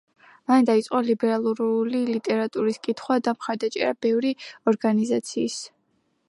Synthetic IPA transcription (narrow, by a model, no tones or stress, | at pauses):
mand̪ait̪sʼqʼɔlibɛɾalˠuɾlilit̪ʼɛɾat̪ʼuɾiskʼit̪ʰχwad̪amχaɾd̪at͡ʃʼɛ̰ɾabɛvɾiɔɾɡanizat̪sʰiːs